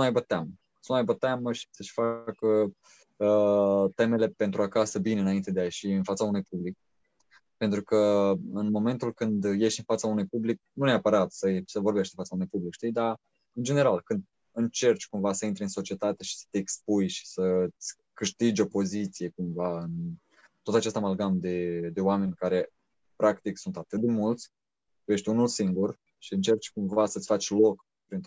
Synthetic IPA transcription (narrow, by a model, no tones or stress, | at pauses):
unmajbət̪eamə | sunmajbət̪aməʃi̥səʃʲfakə | ət̪e̞me̞le̞pe̞nt̪ɾuakasəbineɨnaint̪e̞d̪eaje̞ʃiɨnfat̪saunujpublik̚ | pent̪ɾukəɨnmo̞me̞nt̪ulkɨnd̪je̞ʃt̪ʲɨnfat̪saunujpublik̚nuneapəɾat̪səesəvo̞rbe̞ʃt̪infat̪saunujpublikʃt̪id̪a | ɨnd͡ʒe̞ne̞ɾalkɨnd̪̚ | ɨnt͡ʃe̞rt͡ʃʲkumvasəint̪ɾʲiɨnso̞t͡ʃie̞t̪at̪e̞ʃi̥sə̥t̪eːkspujʃi̥sət̪sʲ | kɨʃt̪id͡ʒʲo̞po̞zit̪sije̞kumvaɨn | t̪ot̪at͡ʃest̪amalɡamd̪e̞d̪e̞oame̞nʲkaɾe̞ | pɾakt̪iksunt̪at̪ɨt̪̚d̪e̞mult̪sʲ | je̞ʃt̪ʲunulsiŋɡur | ʃiɨnt͡ʃe̞rt͡ʃʲkumvasət̪sʲfat͡ʃʲlo̞k | pɾint̪